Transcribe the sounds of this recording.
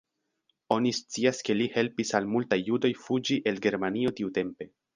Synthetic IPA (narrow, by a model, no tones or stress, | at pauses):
o̞nist͡siaske̞lihe̞lpisalmultajːudo̞jfud͡ʒiʔe̞lɡe̞ɾmanio̞tiute̞mpe̞